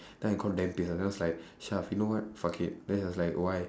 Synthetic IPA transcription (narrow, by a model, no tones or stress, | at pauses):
d̥ɛ̃nkʰɔ̃ndɛ̃mpisd͡ʒãslajk̚ʃafjunowɔt̚fakʰit̚dɛd͡ʒaslajkwaj